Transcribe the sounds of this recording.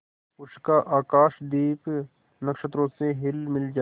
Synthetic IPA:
ʊʃkaʔaːkaːʃd̪iːp | nɐkʃət̪ɾõseɦɪlmɪld͡ʒaː

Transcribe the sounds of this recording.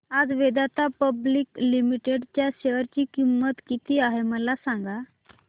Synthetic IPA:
ad͡zʋed̪at̪apəbliklimiʈeɖt͡ɕjaɕeʋəɾt͡ɕiːkimːət̪kit̪iːaɦeməlasaŋɡa

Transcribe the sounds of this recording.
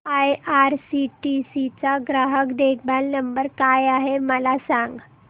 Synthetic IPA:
ajaɾsiʈisit͡saɡɾaɦəkd̪ek̚ʰbalnəmbəɾkajaɦeməlasãŋɡ

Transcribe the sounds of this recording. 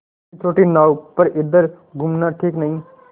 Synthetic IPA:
t͡ʃʰoːʈiːnaːupəɾʔɪd̪əɾ | ɡʊmnaːʈʰiːknəɦĩː

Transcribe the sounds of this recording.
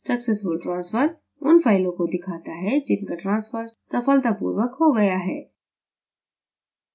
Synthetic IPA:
sɐksesfʊlʈɾãːnsfəɾ | ʊnfaːɪlõkod̪ɪkʰaːt̪aɦɛd͡ʒɪnkaʈɾãːnsfəɾsɐfəlt̪apṵːɾʋəkɦoɡɐjaɦɛː

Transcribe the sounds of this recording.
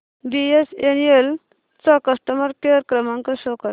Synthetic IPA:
biesenel | t͡sɔkəsʈəməɾkeɾkɾəmãŋkaɕokəɾ

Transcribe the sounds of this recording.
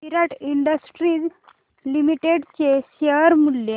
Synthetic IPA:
iɾaʈiɳɖəsʈɾid͡z | limiʈeɽt͡ɕeɕəɾmulje

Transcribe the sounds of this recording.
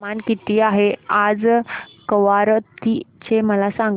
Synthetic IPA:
ankit̪iːaɦead͡zkəʋaɾt̪it͡ɕeməlasãŋɡ

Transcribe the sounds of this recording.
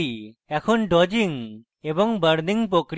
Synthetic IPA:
ɛkʰonɖɔd͡ʑiŋ | ebɔŋbəɾniŋp̬okɾ

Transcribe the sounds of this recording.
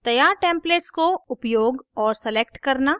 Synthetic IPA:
t̪ɐjaːɾʈẽːmpleːʈskoʊpjoːɡɔːɾsɛleːk̚ʈkɐɾna

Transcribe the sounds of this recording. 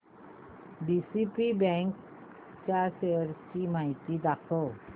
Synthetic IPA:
bisipibɛŋk | t͡ʃaseɾt͡ʃimajt̪id̪akʰo

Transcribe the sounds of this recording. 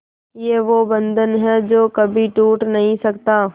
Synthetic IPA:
jeʋoːbə̃nd̪ənɦɛd͡ʒoːkɐbʱiʈuːʈnɐɦĩsɐkt̪aː

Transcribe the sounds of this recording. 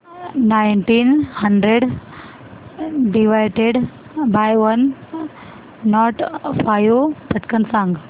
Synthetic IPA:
najɳʈinhəɳɖɾeɖ | ɖiʋajʈeɖ | bajʋən | ɔʈfajupəʈkənsãŋɡ

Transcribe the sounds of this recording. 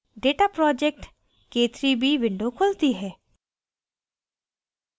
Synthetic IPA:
ɖeːʈapɾɔːd͡ʒek̚ʈ | keːt̪ɾibʱiːʋɪ̃ɳɖokʰʊlt̪iɦɛː

